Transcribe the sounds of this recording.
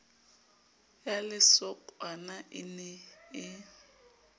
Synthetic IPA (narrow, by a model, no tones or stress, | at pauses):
jalɪsɔkʼwanaʔɪnɛɪ